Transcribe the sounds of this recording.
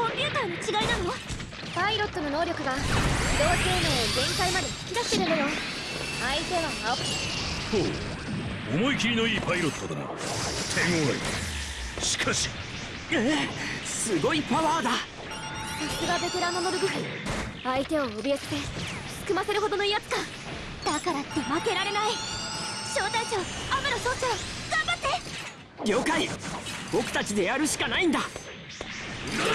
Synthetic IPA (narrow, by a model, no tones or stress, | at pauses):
kojɯ̟ːt̪anot͡ɕiɡainanoa | paiɾo̞t̪ːo̞no̞no̞ːɾʲo̞kɯ̟ɡaid̪o̞ːenoːɡẽ̞ŋkaimad̪e̞kʲiɡasɨ̥t̪eɾɯ̃nd̪ajo | ait̪e̞βaokːi | soː | omo̞ikʲiɾʲino̞iːpaiɾo̞t̪ːod̪a̰a̰ | t̪ʰeŋoḭ | ɕi̥kʰaɕi̥ | e | sɨɡo̞ipaβaːd̪a | sasɨɡabe̞t̪e̞ɾãnːomod̪oɡɯ̟ɦ | ait̪e̞o̞ːbʲiast̪e̥ | kɯ̟mase̞ɾɯ̟ɦo̞d̪o̞no̞ijat͡sɨ̥ka | d̪̥akaɾat̪ːe̞make̞ɾaɾe̞nai | ɕoːt̪aiɕoameɾosot̪t͡ɕːaɾaɡ̥ãmbat̪ːe̞ | ɡʲjo̞ːkaibokɯ̟t̪at͡ɕid̪e̞jaɾɯ̟ɕi̥kanaĩnd̪a